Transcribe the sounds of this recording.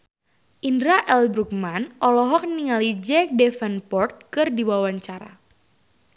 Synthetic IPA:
ʔindɾaʔɛlbɾuk̚manʔɔlɔɦɔk̚niŋalid͡ʒɛk̚dɛfɛnpɔrt̪̚kɨrdiwawaɲt͡ʃaɾa̰

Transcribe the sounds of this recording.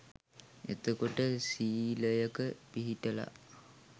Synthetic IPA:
ḛt̪əkoʈəsiːləjəkəpiɦiʈəla̰

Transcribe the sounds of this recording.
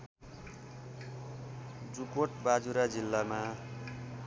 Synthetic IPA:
d͡zukoʈbad͡zuɾad͡zilːama

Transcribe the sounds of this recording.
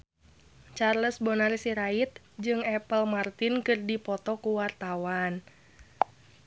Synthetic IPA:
t͡ʃarləsbɔnarisiɾait̪̚ | d͡ʒɨŋɛpəlmart̪inkɨrdipɔt̪ɔkuwart̪awan

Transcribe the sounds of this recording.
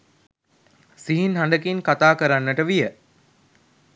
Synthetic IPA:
siɦinɦanɖ̪əkinkat̪aːkəɾanːəʈəʋijə

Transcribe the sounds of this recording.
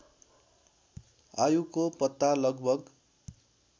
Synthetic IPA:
ajukopʌt̪ːalʌɡbʱʌɡ

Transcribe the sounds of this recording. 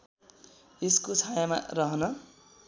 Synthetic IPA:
eskot͡sʰajama̰rʌɦʌnʌ

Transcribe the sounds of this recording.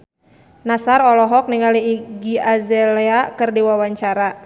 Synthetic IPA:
nasarɔlɔɦɔk̚niŋaliːɡiazɛlɛakɨrdiwawaɲt͡ʃaɾa

